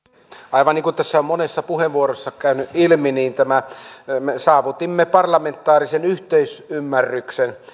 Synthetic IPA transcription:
ɑˑiʋɑniːŋkut̪t̪æsːæommonesːɑpuheʋʋuorosːɑkæˑynyʔʔilminiːnt̪æmæmesɑːʋut̪imːepɑrlɑment̪ːˑɑːrisenyht̪eˑysymːærːyksen

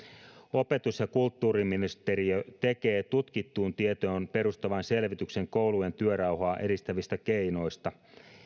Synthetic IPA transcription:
o̞pe̞t̪usjɑkult̪ːuːriminist̪eɾiøt̪ekeːt̪ut̪kit̪ːuːnt̪iet̪oːnpe̞ɾust̪ɑʋɑnse̞lʋit̪ykse̞ŋko̞ulue̞nt̪yøɾɑwhoɑʔe̞ɾist̪æʋist̪ækeino̞jst̪ɑ

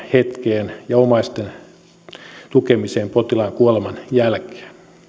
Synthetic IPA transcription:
het̪keːnjɑomɑist̪en | t̪ukemiseːmpot̪ilɑŋkuolemɑnjælke̥ːn

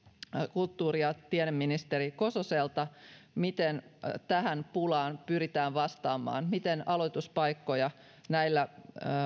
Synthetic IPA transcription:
kult̪ːuːɾijɑt̪ienemːinist̪eɾiko̞soselt̪ɑmit̪ent̪æɦænpulɑːnpyrit̪æːʋʋɑst̪ɑːmːˑɑ̰ːnmit̪enɑlot̪uspɑjkːo̞jɑ | næilːæ

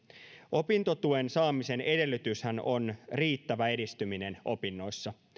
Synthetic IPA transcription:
ʔo̞pint̪o̞t̪uensɑːmise̞ne̞de̞lːyt̪yshæno̞nriːt̪ːæʋæe̞dist̪ymine̞nʔo̞̰pinːo̞isːɑ

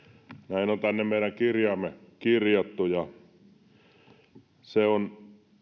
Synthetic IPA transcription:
næinont̪ænːemmeˑiɾæŋkirjɑːmːekirjot̪ːujɑ | seon

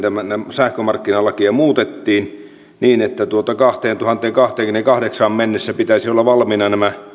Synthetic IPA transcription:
t̪æmænæsæhkømɑrkːinɑlːɑkiɑmuːt̪et̪ːiːn | niːnet̪ːæt̪uot̪ɑkɑht̪eːnt̪uhɑnt̪ˑeːŋkɑht̪eːŋkyneŋkɑhdeksɑmmenːesːæpit̪æisiolːɑʋɑlminɑnæmæ

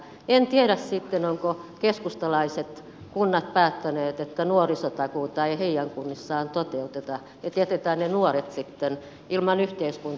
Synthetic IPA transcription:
ent̪ieɾæssit̪ːenoŋkokeskust̪ɑlɑiset̪ | kunːɑt̪̚pæːt̪ːæneːt̪et̪ːænuorisot̪ɑkuːt̪ɑeiheijæŋkunːisːɑːnt̪ot̪eut̪et̪ɑ | jɑt̪iæt̪et̪æːnnenuoret̪sit̪ːen | ilmɑnyht̪eiskunt̪

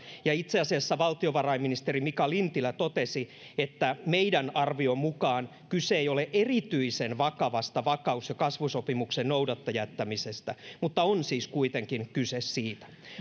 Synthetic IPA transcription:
jɑit̪seɑsiɑsːɑʋɑlt̪ioʋɑrɑimːinist̪erimikɑlint̪ilæt̪ot̪esi | et̪ːæmeidænɑrʋiommukɑːn | kyseejoleʔerit̪yisenʋɑkɑʋɑst̪ɑʋɑkɑusjɑkɑsʋusopimuksennoudɑt̪ːɑjæt̪ːæmisest̪æmut̪ːɑonsiːskuit̪eŋkinkysessiːt̪æ̥

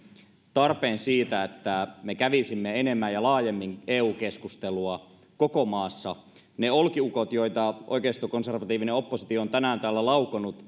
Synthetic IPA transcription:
t̪ɑrpeːnsiːt̪æet̪ːæmekæʋisimːeenemːæjɑlɑːjemːiŋeːuːkeskust̪eluɑ | kokomɑːsːɑ | neolkiukot̪joit̪ɑʔo̰ikeist̪okonserʋɑt̪iːʋineo̞pːosit̪ioont̪ænæːnt̪æːlːælɑukonut̪

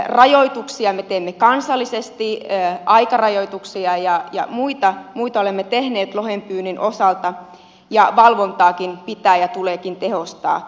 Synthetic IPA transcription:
rɑjoit̪uksiɑmet̪eːmːekɑnsɑlːisest̪iøːɑikɑrɑjoit̪uksiɑjɑjɑ̰muit̪ɑmuit̪ɑolemːet̪ehneːt̪lohempyːninʔosɑlt̪ɑ | jɑʋɑlʋont̪ɑːkinpit̪æːjɑt̪uleːkint̪ehost̪ɑ̰ː

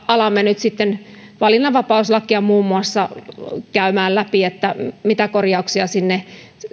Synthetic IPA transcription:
ɑlɑmːenyt̪sit̪ːen | ʋɑlinːɑʋɑpɑuslɑkːiɑmuːmːuɑsːɑkæymæːllæpiet̪ːæmit̪ækorjɑuksiɑsinːe

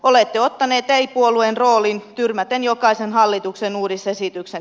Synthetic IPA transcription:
olet̪ːeot̪ːɑneːt̪æipuoluenroːlint̪yrmæt̪enjokɑisenhɑlːit̪uksenuːɾisesit̪yksen

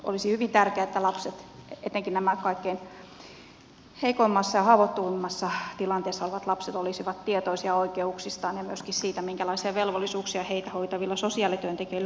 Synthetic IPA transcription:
ʔo̰lisihyʋint̪ærkeæet̪ːælɑpset̪eḛt̪ːˑeŋkinæmækɑikːein | heikoimːɑsːɑjɑhɑːʋot̪ːuʋimːɑsːɑt̪ilɑnt̪eːsːɑoliʋɑt̪lɑpset̪olisiʋɑt̪t̪iet̪oisiɑoikeuksist̪ɑːnjɑmyøskissiːt̪æmiŋkælɑisiɑʋelʋolːisuːksiɑheit̪æhoit̪ɑʋilːɑsosiɑːˑlit̪yønt̪ekeilː

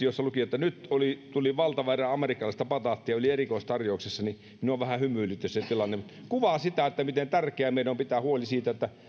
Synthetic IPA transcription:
josːɑlukiot̪ːænyt̪olit̪uliʋɑlt̪ɑʋærɑɑmerikːˑɑlɑist̪ɑpɑt̪ɑt̪ːiɑolierikoˑist̪ɑrjoˑuksesːɑni | minuoʋʋæhæhymyːˑlyt̪ːeset̪ilɑnːemkuʋɑsit̪æet̪ːæmit̪ent̪ærkeæmeˑilompit̪æhuolisiːt̪æet̪ːæ

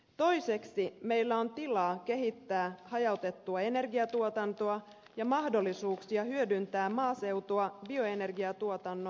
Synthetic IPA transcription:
t̪o̞jse̞ksime̞jlːæo̞nt̪ilɑːke̞ɦit̪ːæːhɑjɑwt̪e̞t̪ːuɑe̞ne̞rɡiɑt̪uot̪ɑnt̪oɑ | jɑmɑhdo̞lːisuːksiɑɦyødynt̪æːmɑːse̞wt̪oɑbio̞e̞ne̞rɡiɑt̪uot̪ɑnːo

